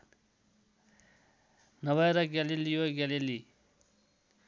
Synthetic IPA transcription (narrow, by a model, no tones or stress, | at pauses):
nʌbaɾʌɡalilijoɡalili